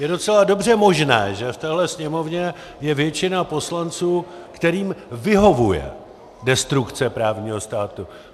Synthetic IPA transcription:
jɛdo̞t͡sɛlado̞br̝ɛmo̞ʒnɛ̰ːʒɛft̪ɛːɦlɛsɲɛmo̞vɲɛ | jɛvjɛt͡ʃɪnapo̞slant͡suːkt̪ɛɾiːmvɪɦo̞vujɛ̰ | dɛst̪ɾukt͡sɛpɾaːvɲiːɦo̞st̪aːt̪u

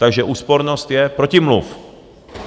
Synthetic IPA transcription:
t̪aɡʒɛʔuːspoɾnost̪jɛpɾocɪmluf

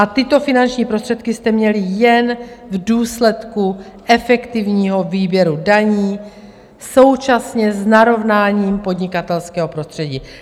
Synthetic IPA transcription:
ʔat̪ɪt̪o̞fɪnant͡ʃɲiːpɾo̞st̪r̥ɛt̪kɪst̪ɛmɲɛlɪjɛnvduːslɛt̪ku | ʔɛfɛkt̪ɪvɲiːɦo̞viːbjɛɾudaɲiː | so̞wt͡ʃasɲɛznaɾo̞vnaːɲiːmpo̞dɲɪkat̪ɛlskɛːɦo̞pɾo̞st̪r̝̥ɛɟiː

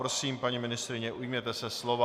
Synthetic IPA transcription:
ɾosiːmpaɲimɪnɪst̪ɾɪɲɛʔujmɲɛt̪ɛsɛslo̞va

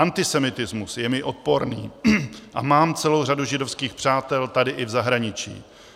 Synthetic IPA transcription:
ant̪ɪsɛmɪt̪ɪzmusjɛmɪʔo̞t̪̚po̞ɾnḭːʔa̰maːmt͡sɛlo̞wr̝aduʒɪdo̞fskiːxpr̥aːt̪ɛlt̪adɪʔɪvzaɦɾaɲɪt͡ʃḭː

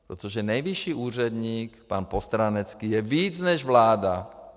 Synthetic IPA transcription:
pɾɛ̰t̪ɔʒɛnajʋiʃiːʔuːr̝ɛd̪ɲiːkpaːnpɔst̪ɾanɛt͡skiːjɛʋiːd͡zɲɛʒʋlaːd̪a

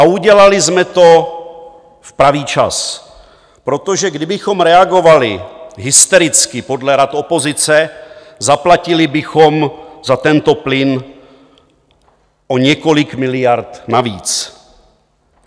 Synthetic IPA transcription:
ʔauɟɛlalɪzmɛt̪o̞ | fpɾaviːt͡ʃas | pɾo̞t̪oʒɛɡdɪbɪxo̞mɾɛaɡo̞valɪɦɪst̪ɛɾɪt͡skɪpo̞dlɛɾat̪o̞po̞zɪt͡sɛzaplacɪlɪbɪxomzat̪ɛnt̪o̞plɪn | ʔoɲɛko̞lɪkmɪlɪjaɾt̪navḭːt͡s

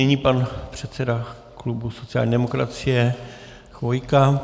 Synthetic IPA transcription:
ɛɲiːpanpr̝̥ɛt̪sɛda | klubuso̞tt͡sɪjaːlɲiːdɛmo̞kɾa̰t͡sɪjɛ | xvo̞jka

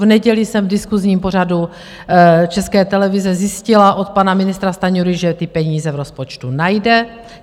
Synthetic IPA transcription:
vnɛɟɛlisɛmvdɪskuzɲiːmpor̝adu | t͡ʃɛskɛːt̪ɛlɛvɪzɛzjɪscɪlaʔot̪̚panamɪnɪst̪ɾast̪aɲuɾɪʒɛt̪ɪpɛɲiːzɛvɾospot͡ʃt̪unajdɛ

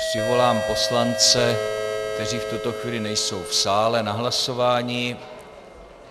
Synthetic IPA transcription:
prɪvo̞laːmpo̞slant͡sɛkt̪ɛriːft̪ut̪o̞xviːlɪnɛjso̞wfsaːlɛnaɦlaso̞vaːɲɪ

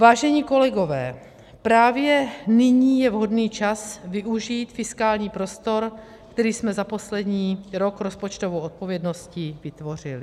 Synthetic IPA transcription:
vaːʒɛɲiːko̞lɛɡo̞vɛː | pɾaːvjɛnɪɲiːjɛvɦo̞dniːt͡ʃasvɪʔuʒiːt̪fɪskaːlɲiːpɾo̞st̪o̞ɾ | kt̪ɛɾiːsmɛzapo̞slɛdɲiːɾo̞kɾo̞spo̞t͡ʃt̪o̞vowʔot̪̚po̞vjɛdno̞scɪvɪt̪vo̞r̝ɪlɪ

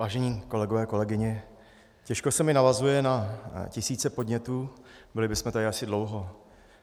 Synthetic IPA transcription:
vaːʒɛɲiːko̞lɛɡovɛːko̞lɛɡɪɲɛ | cɛʃkosɛmɪnavazujɛnacɪsiːt͡sɛpo̞dɲɛt̪uːbɪlɪbɪsmɛt̪adɪasɪdlowɦo̞

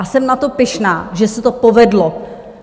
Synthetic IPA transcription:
sɛmnat̪o̞pɪʃnaːʒɛsɛt̪opovɛdlo

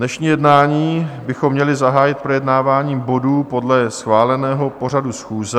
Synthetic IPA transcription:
dnɛʃɲiːjɛdnaːɲiːbɪxomːɲɛlɪzaɦaːjɪt̪̚pɾojɛdnaːvaːɲiːmbo̞duːpo̞dlɛsxvaːlɛnɛːɦo̞po̞radusxuːzɛ

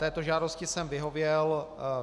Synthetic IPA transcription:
t̪ɛːt̪o̞ʒaːdo̞scɪsɛmvɪɦo̞vjɛl

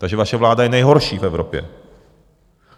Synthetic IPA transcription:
t̪aɡʒɛvaʃɛvlaːdajɛnɛjɦo̞ɾʃiːfɛvɾopjɛ̰

